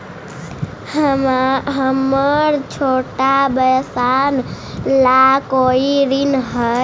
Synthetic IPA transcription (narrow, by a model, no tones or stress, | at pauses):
ɦəməɾt͡ʃʰoʈabəjsan | lakoiɾinɦə